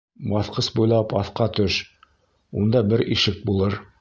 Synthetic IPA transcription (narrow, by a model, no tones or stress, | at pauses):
bɑθqɤsbujlˠɑpɑθqɑt̪ɵʃ | und̪ɑbɘɾiʃɘk̚bulˠɤɾ